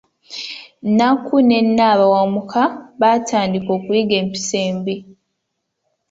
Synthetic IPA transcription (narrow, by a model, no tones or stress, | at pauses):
nakʰune̞nːaːβawamukʰaβatʰaːndiko̞ːkuliɡe̞ːmpi̥se̞ːmbi